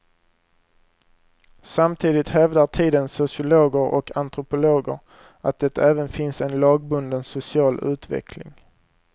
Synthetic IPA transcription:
samt̪ʰiːd̪ɪt̪hɛvd̪aʈʰiːd̪ənsʊsɪʊloːɡəɾʔɔkʰant̪ɾʊpʊloːɡə̰ɾ | at̪̚d̪ɛt̪ːaæːvənfɪnsɛnlɑːɡ̚bɵnd̪ənsʊsɪɑːlʉ̟ːt̪vɛ̰kʰlɪ̰ŋ

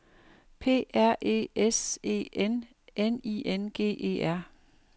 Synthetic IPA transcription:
pʰe̝̰ːæɐ̰ʔe̝̰ese̝̰ːen | eniːʔenɡ̥e̝̰ːʔe̝̰ːʔæɐ̰

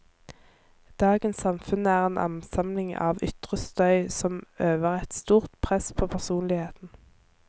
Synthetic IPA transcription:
d̪̥ɑːɡənsɑmfʉnəæːʁeːnʔɑ̰nsɑmlɪŋɑ̰ːʋʏ̰t̪ʁəst̪œʏsɔmøːʋəʁɛt̪st̪uːʁt̪pʰʁɛspʰoːpʰæʁsuːnlɪheːt̪n̩

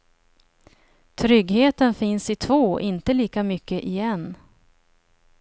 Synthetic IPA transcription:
t̪ʰɾʏɡheːt̪ənfɪnsɪt̪ʰvoːʔɪnt̪əliːkamʏkːəʔɪjɛn

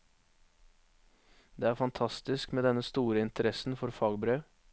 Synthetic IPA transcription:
d̪eːæːɾfɑnt̪ʰɑst̪ɪskmeːd̪ɛnəst̪uːɾəɪnt̪əɾɛsn̩fɔɾfɑːɡbɾøː

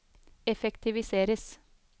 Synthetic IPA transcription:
ɛfɛkt̪ɪʋɪseːɾəs

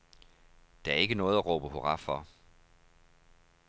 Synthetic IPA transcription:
d̥ææɐe̝ɡ̥ənɔ̽ːð̞̩ˠæʁɔ̰̽ːb̥əɦo̝ʁɑ̈fɒ

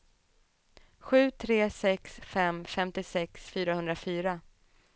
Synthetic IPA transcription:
ɧʉ̟ːt̪ʰɾeːsɛksfɛmfɛmt̪ɪsɛksfyːɾahɵnd̪ɾafyːɾa

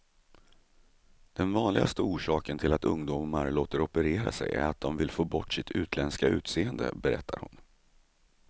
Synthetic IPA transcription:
d̪̥ɛnvɑːnlɪɡast̪əuːʂɑːkənt̪ʰɪlat̪ɵŋd̪ummaɾloːt̪əɾɔpəɾeːɾa̰sɛjæ̰ɾat̪̚d̪ɔmvɪlfoːbɔʈːsɪt̪ʰʉ̟ːt̪ʰlɛnskaʉ̟ːt̪seːənd̪ə̰bɛɾɛt̪ʰːaɾhʊn

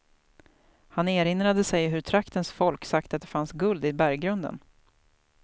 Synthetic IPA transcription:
haneːɾɪnɾad̪əsɛjɦɵɾt̪ʰɾakt̪ənsfɔlksakt̪at̪̚d̪ɛfansɡɵld̪ɪbæɾɡɾɵnd̪ə̰n

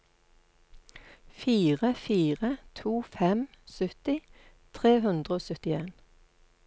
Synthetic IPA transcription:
fiːʁəfiːʁət̪ʰuːfɛmsœt̪ɪ | t̪ʰʁeːhʉnd̪ʁəoːsœt̪ɪeːn

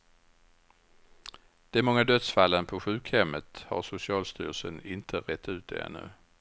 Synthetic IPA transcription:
d̪̥ɛmɔŋːad̪œt̪sfalːənpʰɔɧʉ̟ːkhɛmːət̪ha̰ɾʂʊsɪɑːlst̪y̰ːɾəʂsənɪnt̪ʰəɾɛt̪ʰːʉ̟ːt̪̚d̪ɛ̰ɛ̰nːɵ̟̰

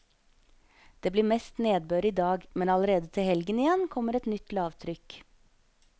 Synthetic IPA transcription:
d̪̥eːbliːmɛst̪neːd̪̚bøːɾəiːd̪ɑːɡmɛnɑləɾeːd̪ət̪ʰɪlhɛlɡənɪjɛnkʰɔmːəɾɛt̪nʏt̪lɑːʋt̪ʰɾʏk

